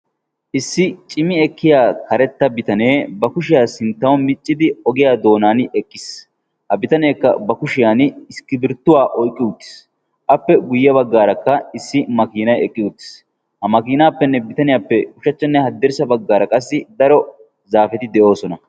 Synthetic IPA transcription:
ʔɪsːɪt͡ʃʼɪmɪɛkːɪjaːkɐɾɛt̪ːɐbɪt̪ɐne̞ːbɐkʊʃɪjaːsɪnt̪ːɐwɔmɪt͡ʃʼːɪd̪ɪɔɡɪjaːd̪o̞ːnaːnɛkːɪs | hɐbɪt̪ɐneːkːɐ̰bɐkʊʃɪjaːnɪskːɪbɪɾt̪ːʊwaːʔɔjkʼːɪʊt̪ːɪ̥s | ʔɐpːɛɡʊjːɐbɐɡːaːɾɐkːɐɪsːɪmɐkiːnɐjɛkʼːɪʊt̪ːɪ̥s | hɐmɐkiːnaːpːɛnːɛbɪt̪ɐnɪjaːpːɛkʊʃɐt͡ʃːɛnːɛhɐd̪ːɛɾsɐbɐɡːaːɾɐkʼɐs̬ːɪd̪ɐɾɔ | zaːfɛt̪ɪd̪ɛʔo̞ːsɔnɐ

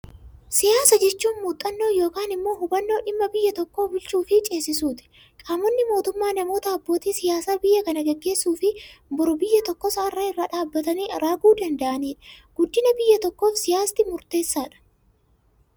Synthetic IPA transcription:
sɪjaːsɐd͡ʒɛt͡ʃːuːnmuːt̪ʼːɐnːo̞ːjo̞ːkaːnɪmːo̞ːɦʊbɐnːo̞ːᶑɪmːɐbɪjːɐt̪ɔkːo̞ːbʊlt͡ʃuːfɪt͡ʃʼe̞ːsːɪsuːt̪ɪ̥ | kʼaːmɔnːɪmo̞ːt̪ʊmːaːnɐmo̞ːt̪ɐɐbːo̞ːt̪iːsɪjaːsaːbɪjːɐkɐnɐɡɛɡːe̞ːsːuːfɪbʊɾʊbɪjːɐt̪ɔkːɔsɐɐrːɐɪrːaːᶑaːbːɐt̪ɐniːɐɾaːɡuːd̪ɐnd̪ɐʔɐniːᶑɐ̥ɡ̥ʊd̪ːɪnɐbɪjːɐt̪ɔkːo̞ːfsɪjaːst̪ɪmʊɾt̪e̞ːsːaːᶑɐ̥

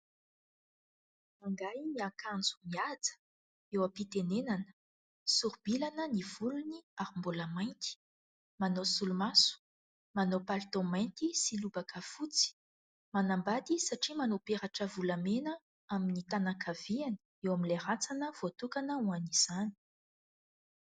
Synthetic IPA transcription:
maŋɡajniakand͡zu̥miad͡zə̥ | ewapit̪enenanə̥ | suɾbilanəniv̥uluniaɾimboləmajnt̪i̥ | manosulumasu̥ | manopalt̪omajnt̪isilubakəfut͡si̥ | manambad̪isaʈ͡ʂimanopeɾaʈ͡ʂəvulamenə | aminit̪anakʰav̥ianə̥ewaminleɾat͡sanəv̥ot̪ukanəuaniz̥ani̥

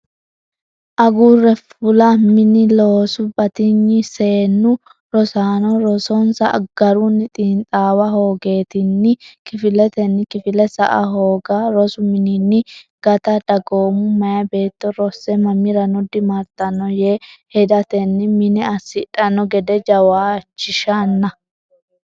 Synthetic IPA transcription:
ʔɐɡuːrɛfʊlɐmɪnɪloːsʊbɐt̪ɪɲːɪse̞ːnːʊ | ɾɔsaːnɔɾɔsɔnsɐ̰ʔɡ̥ɐɾunːɪt̪ʼiːnt̪ʼaːwɐɦo̞ːɡe̞ːt̪ɪnːɪkɪfɪlɛt̪ɛnːɪkɪfɪlɛsɐʔɐɦoːɡaɾɔsʊmɪnɪnːɪɡ̥ɐt̪ɐd̪ɐɡoːmʊmɐjɐbe̞ːt̪ːɔɾɔsːɛmɐmːɪɾɐnɔd̪ɪmɐɾt̪ːɐnːɔjeːhɛd̪ɐt̪ɛnːɪmɪnɛɐsːɪᶑɐnːɔɡɛd̪ɛd͡ʒɐwaːt͡ʃːɪʃɐnːɐ

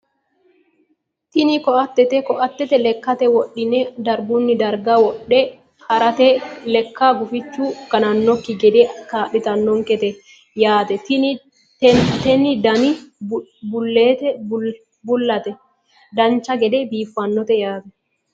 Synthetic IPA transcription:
t̪ɪnɪkɔʔɐt̪ːɛt̪ɛkɔʔɐt̪ːɛt̪ɛlɛkːɐt̪ɛwɔɗɪnɛd̪ɐɾbʊnːɪd̪ɐɾɡɐwɔɗɛ | kɐɾɐt̪ɛlɛkːabʊfɪt͡ʃːuɡ̥ɐnɐnːɔkːɪɡɛd̪ekaːɗɪt̪ɐnːɔŋkɛt̪ɛ | jaːt̪ɛt̪ɪ | t̪ɛnɪd̪ɐmɪ | bʊlːeːt̪ɛ | bʊlːɐt̪ɛ | d̪ɐnt͡ʃːɐɡɛd̪ebiːfːɐnːɔt̪ɛjaːt̪ɛ

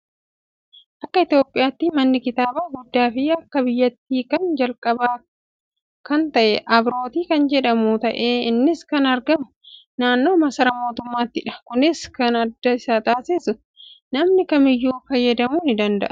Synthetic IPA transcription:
ʔɐkːɐɪt̪jo̞ːpʼːɪjaːt̪ːimɐnːɪkɪt̪aːbaːɡʊd̪ːaːfɪɐkːɐbɪjːɐt̪ːiːkɐnd͡ʒɐlkʼɐbaː | kɐnt̪ɐʔɛʔɐbɾo̞ːt̪iːkɐnd͡ʒɛᶑɐmuːt̪ɐʔe̞ːɪnːɪskɐnɐɾɡɐmʊnaːnːo̞ːmɐsɐɾɐmo̞ːt̪ʊmːaːt̪ːɪᶑɐ̥kʊnɪskɐnɐd̪ːɐɪsaːt̪aːsɪsʊ | nɐmnɪkɐmɪjːuːfɐjːɐd̪ɐmuːnɪd̪ɐnd̪ɐʔɐ̥

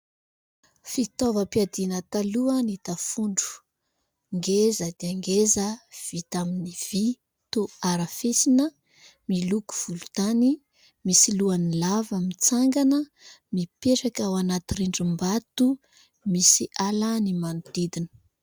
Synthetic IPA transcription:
fit̪ɔvəpiad̪inət̪aluənit̪afuɳɖ͡ʐu̥ | ŋɡezəd̪̥eaŋɡezəv̥it̪aminiv̥i | t̪oaɾafesinə | miluku̥v̥ulut̪ani | misiluanilavəmit͡saŋɡanə | mipeʈ͡ʂakawanat̪iɾeɳɖ͡ʐumbat̪u | misiʔalanimanud̪id̪inə̥

